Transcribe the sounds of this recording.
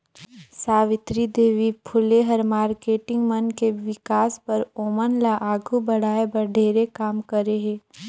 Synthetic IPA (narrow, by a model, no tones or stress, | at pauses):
saːʋɪt̪ɾid̪eːʋipʰʊleɦɐɾmaːɾkeːʈɪ̃ŋɡmənkeʋɪkaːspɐɾoːmənlaʔaːɡʱubɐɽaːebɐɖʱeːɾekaːmkəɾeɦẽː